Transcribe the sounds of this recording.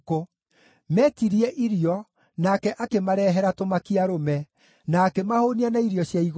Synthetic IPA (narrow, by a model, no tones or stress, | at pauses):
ko | mɛtiɾiɛʔiɾiɔ | nakɛʔakemaɾɛːɦɛɾatomakiaɾomɛ | naːkemahonianaiɾjɔɕjaiɣ